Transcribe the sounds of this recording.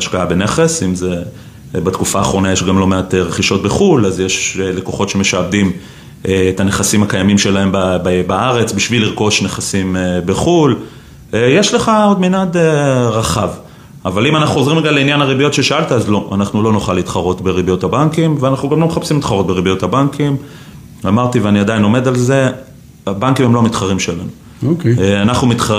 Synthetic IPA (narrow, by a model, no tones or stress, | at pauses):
aʃkaabe̞ne̞χe̞simze̞ | bat̪kufaːχʁo̞najeʃɡamlo̞meat̪eʁeχiʃo̞t̚beχulazjeʃle̞koχo̞tʃe̞me̞ʃabdimː | t̪ane̞χasimhakajamimʃe̞lae̞mbabbaaʁe̞t͡sbiʃviliʁko̞ʃne̞χasimebeχul | eje̞ʃle̞χaodminadeʁaχav | avalimanaχuχozʁimeɡalːeinjanaʁibijo̞t̪ʃe̞ʃaalt̪aazlo̞ʔanaχnulo̞noχalit̪χaʁo̞t̪be̞ʁibijo̞t̪habaŋkimveanaχnuɡamlo̞meχapsimit̪χaʁo̞t̪̚be̞ʁibijo̞t̪habaŋkim | amaʁt̪iveaniad̪ajno̞me̞d̪alze̞ | abaŋkimheloamit̪χaʁimʃelanu | okanaχnumit̪